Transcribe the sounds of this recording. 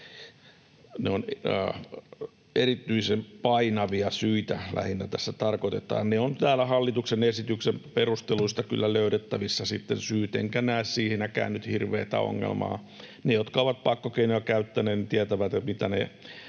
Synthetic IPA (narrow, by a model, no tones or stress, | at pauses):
neonː | erit̪ːyisempɑinɑʋiɑsyit̪ælæ̰hinːæt̪æsːæt̪ɑrkot̪et̪ɑ̰ːnneont̪æːlæhɑlːit̪uksenesit̪yksemperust̪eluist̪ɑky̰lːæløyɾet̪ːæʋisːɑsit̪ːensyːt̪ḛŋkænæissiːhenækæ̰ːnːyt̪hirʋḛːt̪æ̰o̰ŋːḛlmɑ̰ː | nejot̪kɑoʋɑt̪̚pɑkːokeinojɑkæyt̪ːæneːt̪nit̪iæt̪æʋæt̪et̪mit̪ænḛ